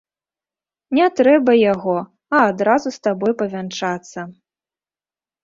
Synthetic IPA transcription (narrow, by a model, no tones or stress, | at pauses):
nʲɛt̪ɾɛbɐjaɣɔ | ɐːd̪ɾazust̪abɔjpɐvʲant͡ʂat̪sːɐ